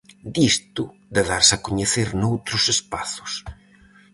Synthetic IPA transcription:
d̪ist̪ʊ | d̪eðaɾsakoɲeθeɾnowt̪ɾʊsespaθʊ̥s

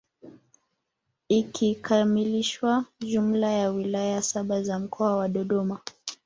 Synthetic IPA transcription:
ikʰikʰamiliʃwaʄum̩lajawilajasaɓazam̩kʰɔawaɗɔɗɔma

